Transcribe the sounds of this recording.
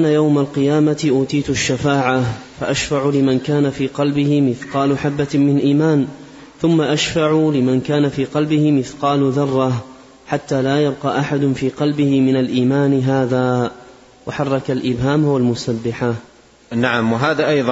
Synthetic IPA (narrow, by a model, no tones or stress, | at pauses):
anajawmalqɨjaːmat̪ʔuːt̪iːt̪aʃːafaːʕafaʔaʃfaʕʊlɪmankaːnafiːqɑlbɪhɪmɪθqɑːlʊħabːamɪnʔiːmaːn | θʊmːaʔaʃfaʕʊlɪmankaːnafiːqɑlbɪhɪmɪθqɑːlʊðɑrˤːɑh | ħat̪ːaːlaːjab̚qɑːʔaħad̪ʊnfiːqɑlbɪhɪmɪnalʔiːmaːnɪɦaːðaː | waħɑrˤːɑkalʔɪbɦaːmwalmʊsabːɪħa | naʕamwaɦaːðaʔɑjðˤ